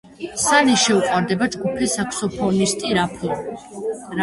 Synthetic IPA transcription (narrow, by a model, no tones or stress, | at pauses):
sanɛʃɛuqʼwaɾd̪ɛbad͡ʒɡupʰɛsakʰsɔpʰɔnist̪ʼiɾapʰlˠɔ | ɾ